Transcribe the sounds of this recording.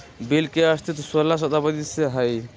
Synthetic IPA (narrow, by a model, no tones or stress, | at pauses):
belkeəst̪ʰit̪səlːas̬ət̪abəd̪iseɦəj